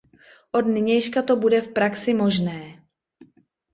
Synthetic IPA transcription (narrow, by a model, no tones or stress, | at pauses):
ʔo̞dnɪɲɛjʃkat̪o̞budɛfpɾaksɪmo̞ʒnɛː